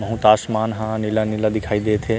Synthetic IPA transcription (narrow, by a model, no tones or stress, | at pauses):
mɐ̃ɦũt̪aːsmaːnɦãnilanɪlad̪ɪkʰaːid̪eːt̪ʰeː